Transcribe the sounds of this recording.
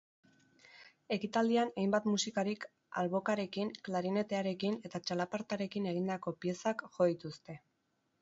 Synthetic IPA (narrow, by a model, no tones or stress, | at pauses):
e̞kit̪ald̪ianejmbat̪musikaɾik | a̰lβo̞kaɾe̞kinklaɾine̞t̪e̞aɾe̞kine̞t̪at͡ʃalapaɾt̪aɾe̞kine̞ɣ̞ind̪ako̞pie̞sakʝo̞it̪ust̪e̞